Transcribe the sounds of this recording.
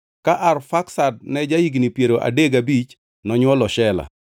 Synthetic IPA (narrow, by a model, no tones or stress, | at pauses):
kaʔarfaksad̚nɛd͡ʒaiɡnipjeɾoʔa̰deɡabit͡ʃ | nɔɲwɔlɔʃɛla̰